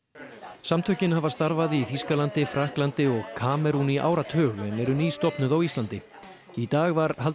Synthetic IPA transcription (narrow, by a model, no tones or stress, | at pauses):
samt̪ʰœhcɪnhavast̪aɾvaðɪiθiskalant̪ɪfɾahklant̪ɪɔɣkʰaːmɛɾuniʔa̰ːwɾat̪ʰœːɣlɛnɛɾʏniːst̪ɔhpnʏðawist̪lant̪ɪ | it̪aːɣvaɾhal